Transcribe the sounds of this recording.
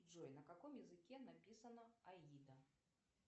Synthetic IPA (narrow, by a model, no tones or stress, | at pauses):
ɔjnɐkakɔmjɛzɨkʲɛnapʲisɐnɐaid̪ɐ